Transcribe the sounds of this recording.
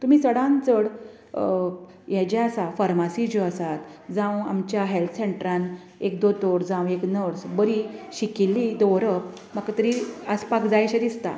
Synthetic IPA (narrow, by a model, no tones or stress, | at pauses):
t̪um̤iːsəɽãnt͡səɽ | jɛd͡ʑɛasafaɾmasid͡ʑoəsat̪d͡zãwa̰mt͡ɕjaɦelt̪ʰəseɳʈɾãn | ek̚d̪ot̪oɽd͡zãweknəɾsbəɾiɕikilːid̪ɔʋɾəp | makat̪əɾiəspakd͡zajɕad̪ist̪a̰